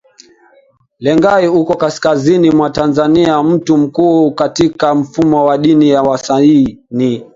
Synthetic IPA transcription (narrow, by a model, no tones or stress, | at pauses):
lɛŋɡaiukɔkaskazinimwatanzaniam̩tum̩kuːkatikam̩fumɔwaɗinijawasaini